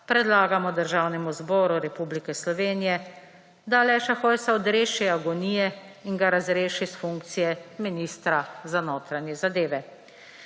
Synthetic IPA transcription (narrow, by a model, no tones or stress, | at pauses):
pɾɛd̪laːɡamɔd̪əɾʒawnɛmuzbɔːɾuɾɛpublikɛslɔʋeːnijɛ | d̪alɛʃaxojsaɔd̪ɾeːʃiaɡɔnijɛ | iŋɡaɾazɾeːʃisfuŋkt̪sijɛminist̪ɾazanoːt̪ɾanjɛzad̪eːʋɛ